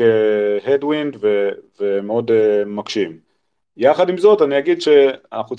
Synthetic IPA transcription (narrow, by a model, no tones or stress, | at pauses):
ehedwind̪vevemeo̞demakʃim | jaχadimzo̞taniaɡidʃe̞a̰naχut͡s